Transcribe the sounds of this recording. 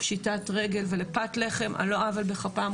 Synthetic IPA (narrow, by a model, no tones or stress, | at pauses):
pʃitatʁeɡelvelepatleχemʔa̰lo̞avalbeχapam